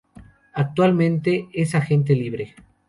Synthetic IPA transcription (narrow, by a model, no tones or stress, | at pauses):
ak̚t̪walmẽnt̪e̞esaxe̞nt̪̬eliβɾe